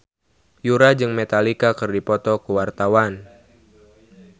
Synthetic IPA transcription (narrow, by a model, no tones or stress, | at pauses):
juɾad͡ʒɨŋmet̪alikakɨrdipɔt̪ɔkuwart̪awan